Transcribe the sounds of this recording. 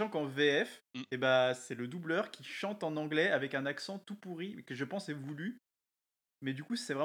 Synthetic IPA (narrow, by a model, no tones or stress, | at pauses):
ɑ̃kɑ̃veɛfebasɛləd̪ublœʁkʲʰiʃɑ̃t̪ɑ̃nɑ̃ɡlɛavɛkɛ̃naksɑ̃t̪upuʁikəʒəpɑ̃sɛvuly | mɛd̪ykusɛvʁɛ